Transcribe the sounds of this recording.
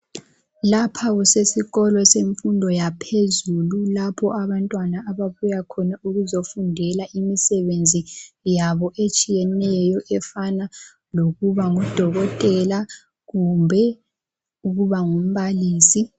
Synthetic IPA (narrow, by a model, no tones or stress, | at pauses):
lapʰaɣusesiɣɔlɔseɱfundʱɔjapʰezululapʰɔʔaβantʼwanaːβaβujakʰɔnauɣuzofundʱɛlaʔimisɛβend͡zʱijaβɔʔet͡ʃʼijɛnɛjɔʔɛfana | loɣuβaŋud̥ʱɔɣɔtʼɛla | ɣumbʱɛ | uɣuβaŋum̩βaliːsi